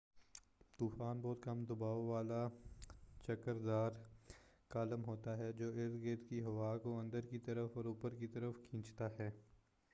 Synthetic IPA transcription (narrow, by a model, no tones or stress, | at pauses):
t̪uːfaːnbɔːt̪kɐmd̪ɐbaːoʋaːla | t͡ʃɐkəɾd̪aːɾ | kaːləmɦoːt̪aɦɛd͡ʒoːɪɾd̪ɡeːt̪kiɦɐʋaːkoɐ̃nd̪əɾkit̪ɐɾəfɔːɾuːpəɾkit̪ɐɾəfkʰĩːt͡ʃt̪aɦɛː